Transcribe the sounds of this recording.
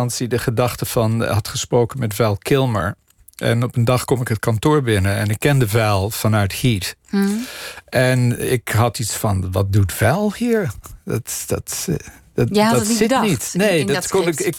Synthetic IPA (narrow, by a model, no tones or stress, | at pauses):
nsidəχədɑχtəv̥ɑnɦɑtχəsprowkənmɛtvɛlˠkʰɪlˠmə̰ɹ | ʔɛ̰nɔpəndɑχkɔmɪkɦətkɑntʊːɹbɪnəɛnɪkːɛndəvɛlˠv̥ɑnœɥthit | ʔɛnɪkɦɑtitsfɑnʋɑt̚dutv̥ɛlˠhiːɹdɑtd̥ɑt | dsɪnitnejdtkɔnɪkɪ